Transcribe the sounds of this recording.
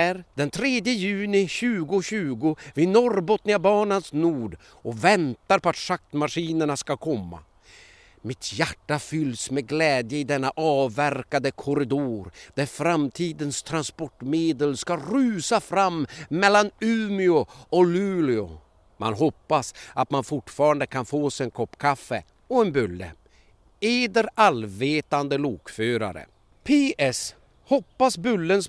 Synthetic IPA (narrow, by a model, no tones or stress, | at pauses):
æɾd̪̥ɛnt̪ʰɾeːd̪jəjʉ̟ːnɪɕʉ̟ːɡʊɕʉ̟ːɡʊvɪnɔɾbɔt̪nɪabɑːɳansnuːɖ | ʔɔvɛnt̪aɾpɔat̪ʂak̚t̪maʂiːnəɳaskakʰɔmːa̰ | mɪt̪ʰjæʈːafʏlːsmɛɡlɛːd̪jəɪd̪ɛnːaʔɑːvæɾkad̪əkʰɔɾɪd̪oːɾd̪̥æɾfɾamt̪ʰiːd̪ənst̪ʰɾanspɔʈmeːd̪əlskaɾʉ̟ːsafɾamːɛlːanʉ̟ːmɪʊɔlʉ̟ːlɪʊ̰ | mʔa̰nɦɔpːasat̪manfʊʈfɑːɾand̪əkʰanfoːsɛɛnkʰɔpːkʰafːə̰ | ɔɛnbɵlːə̰ | eːd̪əɾalveːt̪and̪əluːkføːɾa̰ɾə̰ | pʰeːʔɛs | hɔpːasbʉlːəns